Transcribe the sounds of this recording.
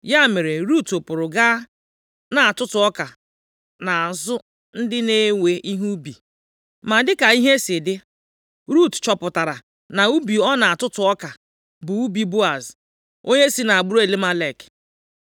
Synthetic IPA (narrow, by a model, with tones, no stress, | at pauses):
ja˦˨me˨ɾe˨ɾu˦tʊ˨pʊ˨ɾʊ˨ɡa˦ | na˨a˨tʊ˦tʊ˨ɔ˦ka˨ | na˨zʊ˦ | n̩˦dɪ˦ne˦we˨ʔi˦ɦu˦bi˨ | ma˨dɪ˦ka˨i˦ɦe˦sɪ˨dɪ˦ | ɾu˦tt͡ʃɔ˨pʊ˨ta˨ɾa˨ | na˨u˦bi˨ɔ˦na˨a˨tʊ˦tʊ˨ɔ˦ka˨ | bʊ˨u˦bi˨bʊ˦a˨z | o˦ɲe˦si˦na˨a˨ɡ͡bʊ˦ɾe˦˨le˦ma˦le˦˨k